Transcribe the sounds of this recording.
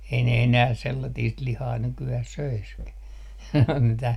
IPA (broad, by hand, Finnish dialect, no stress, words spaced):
ei ne enæː selːɑtiːst lihɑː nykyæh søiskæ mitæ